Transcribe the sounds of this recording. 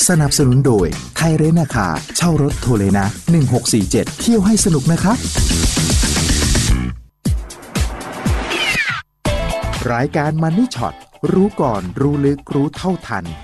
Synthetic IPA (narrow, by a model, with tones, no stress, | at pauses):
sa˧na˨˩p̚sa˧nu˩˦ndoː˧jt̪ʰa˧jɾe˦˥nːaː˧˩kʰa̰ː˧˩t͡ɕʰa˥˩wɾo˦˥t̪ʰːoː˧leː˧na˦˥ʔnɯ˨˩ŋɦo˨˩k̚siː˨˩t͡ɕe˨˩t̪̚ʰːi˥˩əwɦa˥˩jsa˧nu˨˩k̚na˦˥kʰɾa˦˥p̚ | ɾaː˧jkaː˧nma˧nːiː˦˥˩t͡ɕʰɔ̰˨˩t̪̚ɾuː˦˥kɔː˨˩nɾuː˦˥lɯ˦˥k̚ɾuː˦˥t̪ʰa˥˩wt̪ʰa˧n